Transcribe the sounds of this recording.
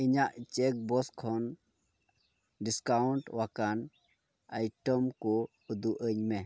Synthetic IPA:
iɲaʔt͡ʃɛk̚bɔskʰɔn | ɖiskauɳʈwakan | ajʈɔmkɔ | ud̪uʔəɲmɛ

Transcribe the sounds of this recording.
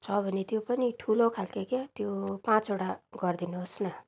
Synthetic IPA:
t͡sʰʌbʱʌnet̪jopʌniʈʰulokʰalkekjet̪jopãt͡soɽaɡʌrd̪inuɦosnʌ

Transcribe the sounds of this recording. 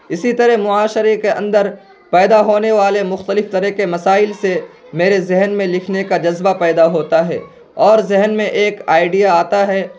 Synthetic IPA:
ɪsit̪ɐɾɛɦmʊaːʃəɾekeɐ̰̃nd̪əɾ | pɛːd̪aɦoːneʋaːlemʊxt̪əlɪft̪ɐɾəɦkemɐsaːɪlse | meːɾezɛɦnmẽlɪkʰnekad͡ʒɐzbapɛːd̪aɦoːt̪aɦɛ̰ː | ɔːɾzɪɦnmẽʔeːkaːɪɖijaaːt̪aɦɛː

